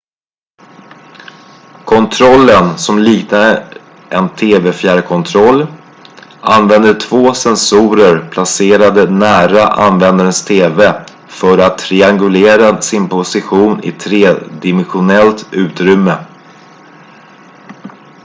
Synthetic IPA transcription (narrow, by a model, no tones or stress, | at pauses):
kʰɔnt̪ʰɾɔlːənsɔmliːknad̪ə | ʔɛnt̪ʰeːvɛfjæːɖkʰɔnt̪ʰɾɔlː | ʔanvɛnd̪əʈʰvoːsɛnsuːɾəɾpʰlaseːɾad̪ənæːɾaʔa̰nvɛnd̪aɾənst̪ʰeːve | fœɾat̪ʰːɾɪaŋɡɵleːɾasɪnpʰʊsɪɧuːnɪ̰t̪ʰɾeːd̪ɪmɛnɧʊnɛlt̪ʉ̟ːt̪ɾʏmːə